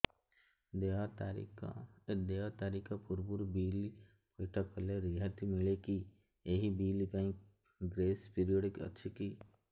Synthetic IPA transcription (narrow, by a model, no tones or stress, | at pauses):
d̪eat̪aɾikd̪eːat̪aːɾikapʊɾbʊɾbiːli | poːʈakəleɾiɦət̪imɪleki | eɦibiːlip̪aːĩ | ɡɾeːspiːɾijoːɖɪkɐ̰tːʃʰikiː